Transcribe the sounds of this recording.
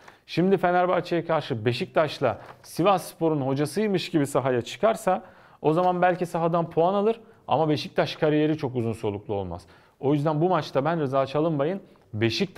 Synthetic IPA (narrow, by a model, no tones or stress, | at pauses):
ʃimd̪ife̞næɾbaɾt͡ʃʰajakʰaɾʃɯbe̞ʃic̚t̪ʰaʃlˠasivaspo̞ɾunho̞d͡ʒasɯjmɯʃɟibisaɦajat͡ʃʰɯ̥kaɾsa | o̞zamanbælʲcisaɦad̪anpʰoanalˠɯɾ | a̰mabeʃic̚t̪ʰaʃkʰaɾije̞ɾit͡ʃʰo̞kuzunso̞lˠuklˠuo̞̰lˠma̰z̥ | o̞jyzd̪ænbumat͡ʃt̪ʰabænɾɯzaːt͡ʃʰalˠɯmbajɯn | be̞ʃic̚t̪